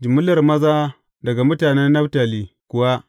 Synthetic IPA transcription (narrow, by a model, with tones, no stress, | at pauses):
d͡ʒi˨mʊ˦lɐ˨rmɐ˦zaː˦ | dɐ˨ɡa˨mʊ˦taː˨ne˦nːɐ˦ɸta˨li˨kʊ˨wa˦